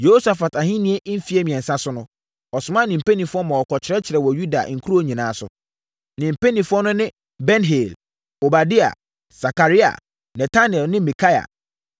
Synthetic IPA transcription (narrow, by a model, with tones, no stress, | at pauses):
jo˦sa˨fa˨ta˨ɦɪ̃˦nĩ˦e˦ʔ̩˦fi˦e˦mĩ˨ɛ̃˨n̩˨sã˦sʊ˦nʊ̃˦ | ɔ˨sʊ˨mã˦nĩ˨m̩˨pe˦nĩ˨fʊ˦ɔ˦mã˨ɔ˨kʰɔ˨t͡ɕʰɪ˨ɾɛ˦t͡ɕʰɪ˨ɾɛ˨wɔ˨ju˦da˨ŋ̩˨kʰu˦ɾu˦o˦ɲĩ˨nãː˨˦sʊ̰˨ | nɪ̃˨m̩˨pe˦nĩ˨fʊ˦ɔ˦nʊ̃˦nɪ̃˦ | bɛ˦nɦe˨l | o˨ba˨di˦a̰˨ | sa˨ka˨ɾi˦a̰˨ | nɛ˨tʰa˦nɪ˨ɛ˨lnɪ̃˦mĩ˨kʰa˦ja̰˨